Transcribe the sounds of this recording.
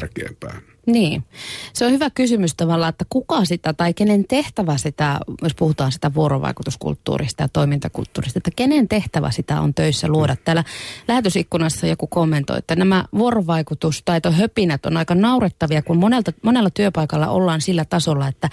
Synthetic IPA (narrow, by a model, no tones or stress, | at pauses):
kḛːmpæ̰ː | niːseohyʋækysymyst̪ɑʋɑlːɑet̪ːækukɑsit̪æt̪ɑikenent̪eht̪æʋæsit̪æjospuhut̪ɑːnsi̥t̪æʋuoɾo̰ʋɑ̰ikut̪uskṵlt̪ːṵːrḭst̪ɑjt̪oimint̪ɑkṵlt̪ːṵːrist̪ɑet̪ːækenent̪eht̪æʋæ̰sit̪æ̰o̰nt̪øisːæluoɾɑt̪tæːlælæhæt̪øsikːunɑsːɑjokukomːent̪o̰ḭet̪ːænæmæʋuoroʋɑikut̪ust̪ɑit̪ohøpinæt̪o̰nɑikɑnɑuret̪ːɑʋiɑkummonelt̪ɑmonelːɑt̪yøpɑikɑlːɑ̰ʔo̰lːɑːnsilːæt̪ɑsolːɑet̪ːæ